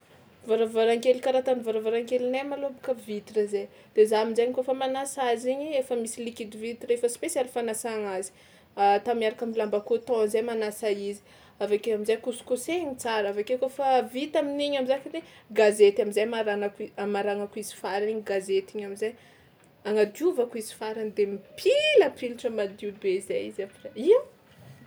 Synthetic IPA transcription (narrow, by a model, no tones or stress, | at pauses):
vaɾavaɾaŋkelikaɾat̪anivaɾavaɾaŋkelinemalobukəvit̪irəze | d̪̥ezaminzaɲkofəmanasaziɲiefəmisilikid̪ivit̪iɾefəspesjalifanasaŋazi̥ | at̪amiaɾakamilambakut̪õanzajmanasaizi̥ | avakeamizajkusu̥koseɲit͡saɾavakekofavit̪aminiɲamizakiɾeɡazet̪amizajmaɾanakimaɾaŋakuizi̥faɾaniɲiɡazet̪iɲamizaj | aŋad̪iuvakuizi̥faɾanid̪emipʰilapiliʈ͡ʂəmad̪ubezajizapreiw